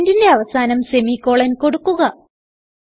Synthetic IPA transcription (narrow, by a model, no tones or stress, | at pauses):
ndinde̞ɐʋɐsaːnɐmse̞mikːo̞ːɭɐnko̞ɽukːuɣɐ